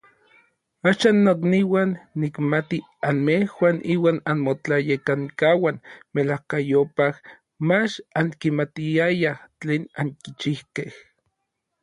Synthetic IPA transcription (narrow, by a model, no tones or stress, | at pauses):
aːʃaːnːokniwanːikmat̪i | anmehwaːnʔiːwaːnanmot͡ɬajekaŋkawanmelahkajopah | mat͡ʃaŋkimat̪iajaht͡ɬeːnaŋkit͡ʃihkeh